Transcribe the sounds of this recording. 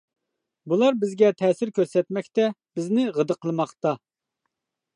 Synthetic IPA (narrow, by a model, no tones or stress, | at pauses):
bulˠɑɾbɪzɡʲɛt̪ʰɛːsɪɾkʲʰøɾsɛt̪mɛkʲt̪ɛb̥ɪznɪʁəd̪əqʰəlˠmɑχt̪ɑ